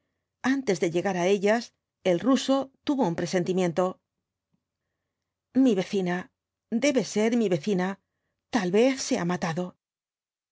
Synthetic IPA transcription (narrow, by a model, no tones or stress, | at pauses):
ant̪e̞zðe̞ʎe̞ɣaɾae̞ʎas | e̞lruso̞t̪uβo̞umpɾe̞se̞nt̪imje̞nt̪o̞ | miβe̞θina | d̪e̞βe̞se̞ɾmiβe̞θina | t̪alβe̞θse̞a̰mat̪aðo̞